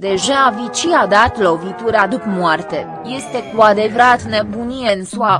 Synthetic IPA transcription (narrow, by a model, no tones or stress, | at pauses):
d̪e̞ʒaːvit͡ʃiad̪at̪lo̞vit̪uɾead̪upmoart̪e̞ | je̞st̪e̞kuad̪evəɾat̪nebunijensua